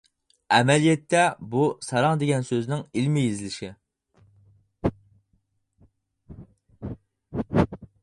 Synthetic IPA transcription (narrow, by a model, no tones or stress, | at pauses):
ɛmɛlijɛt̪ʰːɛbusɑɾɑŋd̪eɡʲɛnsøznɪŋilmɪjizɪlɪʃɪ